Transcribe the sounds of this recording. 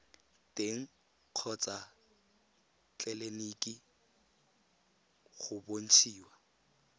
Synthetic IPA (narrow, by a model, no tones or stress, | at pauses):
tʼeŋ̩ | q͡χʰɔt͡sʼa | t͡ɬʼɛlenikʼi | ɣʊbon̩t͡ʃʰiːwa